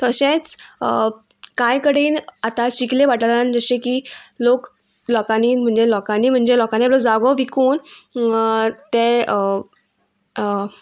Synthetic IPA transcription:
t̪əɕẽt͡s | kãjkəɽiːnat̪at͡ɕikleʋaʈaɾand͡zəɕekiːlok | lɔkaniːm̤əɳd͡zelɔkaniːm̤əɳd͡zelɔkaneapləd͡zaɡɔʋikuːn | t̪e

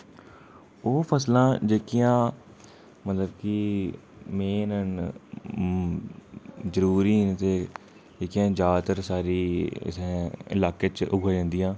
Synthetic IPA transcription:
oːpʰəslãːd͡ʒeːkijãː | mət̪ləbki | mẽːnən | zəɾuːɾiːt̪eː | eːkɪjãːd͡ʒaːt̪əɾsaːɾḭːsɪ̰laːkeːt͡ʃʊɡaːd͡ʒãːnd̪ijãː

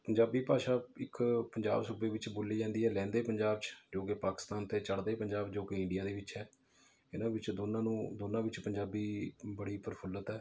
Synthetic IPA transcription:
pəɲd͡ʒaːbiːpaːʃaːɪkpəɲd͡ʒa̰ːbsuːbeːʋɪt͡ʃboːliːd͡ʒãːnd̪iːɛːlɛ̃ːnd̪eːpəɲd͡ʒaːb̚t͡ʃd͡ʒoːkepaːkɪ̥st̪aːnt̪eːt͡ʃəɽd̪eːpəɲd͡ʒaːbd͡ʒoːkeɪɳɖɪijaːd̪eːʋɪt͡ʃɛː | ɪnãːʋɪt͡ʃd̪oːnãːnũːd̪oːnãːʋɪt͡ʃpəɲd͡ʒaːbiːbəɽiːpəɾpʰələt̪ɛː

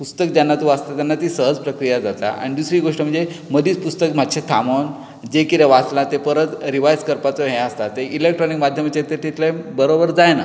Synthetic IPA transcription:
pust̪əkd̪janːat̪uəst̪at̪janːat̪iːsəɦəd͡zpɾəkɾijad͡zat̪a̰a̰ɽ̃id̪usɾiːɡoʂʈəm̤əɳd͡ze | məd̪ʱiːt͡spust̪əkm̤ad̪ɕʰet̪ʰamon | d͡ʑekit̪eʋat͡slat̪epəɾət̪ɾiʋajskəɾpat͡sɔɦẽəst̪at̪ːeʔilek̚ʈɾɔnikmad̪ʱjəmat͡ɕet̪et̪it̪ʰlebəɾobəɾd͡zajna

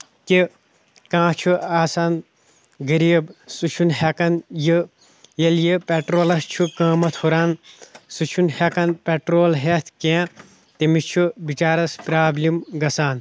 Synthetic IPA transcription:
ki | kãːt͡ʃʰuaːsaːn | ɡɐɾiːbsut͡ʃʰunɦekɐnjɨ | jɐljipeʈɾoːlɐst͡ʃʰukɐ̃ːmɐt̪ʰhuɾaːnsut͡ʃʰunhekɐnpeʈɾoːlɦet̪ʰkẽː | t̪imit͡ʃʰubit͡ʃaːɾɐspɾaːblimɡɐsaːn

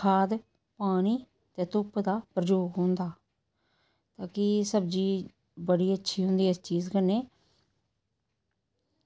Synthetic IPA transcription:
kʰaːd̪ | paːniː | t̪eːt̪ʊpd̪aːpɾəd͡ʒoːɡɦʊ̃ːnd̪aː | t̪aːkɪsəbd͡ʒiː | bəɽiːətːʃʰiːɦʊ̃nd̪iːəst͡ʃiːzkəneː

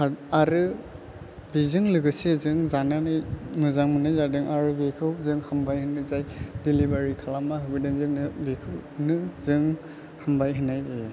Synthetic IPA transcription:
aaɾɯ | bizɯŋlɯɡɯsezɯŋzananɯjnɯzaŋmɯnajzadɯŋaɾɯbekʰɯwzɯŋhambajhɯnɯzajdilibaɾikʰalamaɦɯbidanzɯŋnɯbekʰɯwnɯzɯŋ | hambajɦɯnːaja

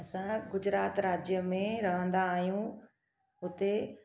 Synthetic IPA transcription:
ɐsãɡʊd͡ʑɾaːt̪ɾaːd͡ʑjəmẽɾɐɦə̃nd̪aːɦijũ | ʊt̪e

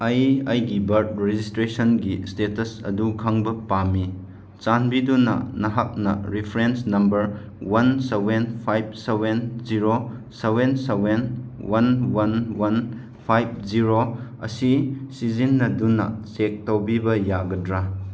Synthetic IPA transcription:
ɐjɐjɡibɐɾt̚ɾed͡ʒistɾesɐnɡistetɐsɐ̰dukʰɐŋbɐpami | t͡ʃanbidunɐ̰nɐɦak̚nɐ̰ɾipʰɾensnɐmbɐɾ | wɐnsebenpʰajb̚sebenziɾosewensewenwɐnwɐnwɐn | pʰajb̚ziɾoɐ̰sisizinːɐdunːɐ̰sek̚towbibɐjaɡɐdɾa

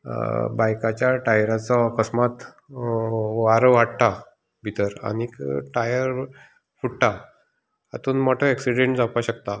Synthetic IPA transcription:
bajkat͡ɕjaʈajɾat͡sakəsmat̪ | ʋaɾəʋaɽt̪a | bʱit̪əɾa̰nikʈajəɾ | fuɽʈa | at̪uːnmɔʈʰəɛksiɽẽɳʈd͡zapaɕəkt̪a

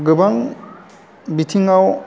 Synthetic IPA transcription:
ɡɯbaŋ | bitʰiŋaw

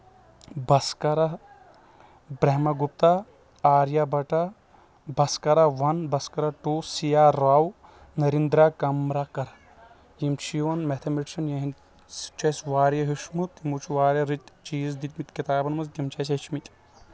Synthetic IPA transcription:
bɐskɐɾa | bɾeɦmɐɡup̚t̪a | aːɾjabɐʈa | bɐskɐɾaʋɐnbɐskɐɾaʈusijaːɾaːw | nɐɾind̪ɾakɐmɾakɐɾ | jimt͡ʃʰijoːnmet̪ʰɐmeʈʃɐnjɐɦin | t͡ʃɐsʋaːɾjɐɦiʃmut̪imut͡ʃʰuʋaːɾjɐɾit̪ʲt͡ʃiːzd̪it̪mit̪kit̪aːbɐnmɐzɡ̪imt͡ʃɐsit͡ʃmit̪ʲʼ

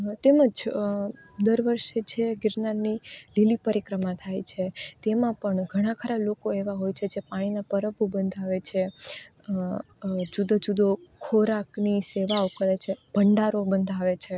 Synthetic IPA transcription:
t̪eməd͡ʒ | d̪əɾʋəɾʃet͡ʃʰeɡɪɾnanililipəɾikɾəmãt̪ʰajt͡ʃʰet̪emãpəɳɡʱəɽ̃ãkʰəɾalokoeʋaɦojt͡ʃʰed͡ʒepaɽ̃inapəɾəbʱubənd̪ʱaʋet͡ʃʰe | d͡ʒud̪od͡ʒud̪okʰoɾakniseʋaokəɾet͡ʃʰeb̥ʱəɳɖaɾobənd̪ʱaʋet͡ʃʰe

